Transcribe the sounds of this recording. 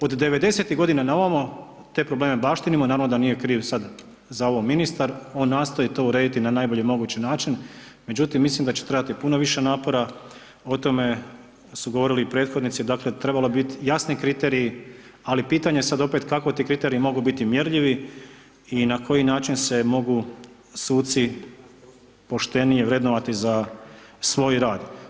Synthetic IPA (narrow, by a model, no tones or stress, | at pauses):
od̪ːe̞ʋe̞d̪e̞se̞t̪iɦɡo̞d̪inanaoʋamo | t̪e̞ːpɾoble̞ːme̞baʃt̪inimonaːɾaʋnod̪anije̞kɾiːʋsad̪ | zaoʋominist̪aɾo̞ːnːaːst̪o̞jit̪o̞uɾe̞ːd̪it̪inanajboʎimo̞ɡuːt͡ɕinaːt͡ʃinme̞d͡ʑut̪imːislimd̪at͡ɕe̥t̪ɾejat̪ipunoʋiʃe̞naːpo̞ɾa | o̞t̪o̞me̞ | suɡoʋo̞ɾiliipɾe̞ːt̪xo̞d̪nit̪sid̪aːkle̞t̪ɾe̞balo̞bit̪jasnikɾit̪eɾiji | alipiːt̪aɲesad̪o̞pet̪kako̞t̪iːkɾit̪e̞ɾiimo̞ɡubit̪imjeɾʎiʋi | inakʰo̞jinaːt͡ʃinse̞mo̞ɡu | suːt̪si | po̞ʃt̪e̞nijeʋɾed̪noʋat̪iza | sʋo̞jɾaːd̪